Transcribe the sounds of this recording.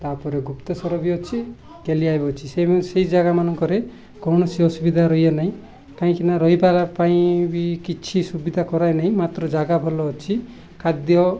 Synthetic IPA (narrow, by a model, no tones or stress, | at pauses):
t̪apɔɾeɡupt̪ɔsɔɾɔbiɔt͡ʃʰi | keliajbɔt͡ʃʰiseseid͡ʒaɡamanɔŋkɔɾe | kɔwñɔsiɔsubid̪ʱaɾɔɦijanaɦĩ | kaĩkinaɾɔɦipalapaĩbikit͡ʃʰisubid̪ʱakɔɾajnaĩmat̪ɾɔd͡ʒaɡabʱɔlɔt͡ʃʰi | kʰad̪jɔ